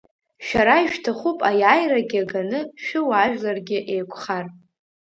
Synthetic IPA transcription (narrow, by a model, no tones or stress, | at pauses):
ʃᶣaɾajʃᶣtʰaχupʼajaːjraɡʲaɡanɨʃᶣʊwaʒᶣlarɡʲɪʔejkʷʰʼχar